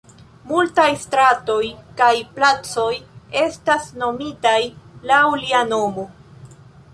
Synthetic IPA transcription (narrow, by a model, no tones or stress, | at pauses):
multajstɾato̞jkajplat͡so̞je̞stasno̞mitajlauliano̞mo